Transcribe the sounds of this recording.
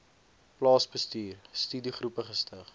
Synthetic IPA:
plɑːsbəstyːrstyːdiχrupəχəstəχ

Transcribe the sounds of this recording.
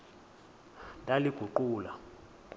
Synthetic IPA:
ntʼaliɡ̥ʱuǃuːla

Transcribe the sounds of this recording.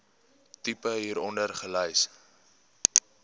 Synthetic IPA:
tipəɦiːɾɔndərχəlɛjs

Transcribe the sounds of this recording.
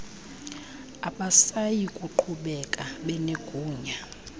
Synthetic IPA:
aɓasajikʼuǃʰuɓɛkʼaɓɛneɡ̥ʱuːɲa

